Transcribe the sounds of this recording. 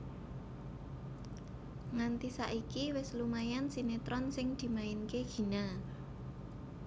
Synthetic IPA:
ŋant̪isaʔikiwɪslumajansinet̪ɾɔnsɪŋd̪̥i̤maɪnkeɡ̥i̤na

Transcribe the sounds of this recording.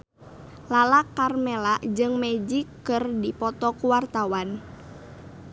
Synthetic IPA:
lalakarmɛlaʔd͡ʒɨŋmɛd͡ʒikːɨrdipɔt̪ɔkuwart̪awan

